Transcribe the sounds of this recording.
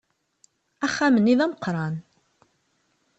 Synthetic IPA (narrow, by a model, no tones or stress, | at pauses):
æχːæmənːiðæməqɾˤɑn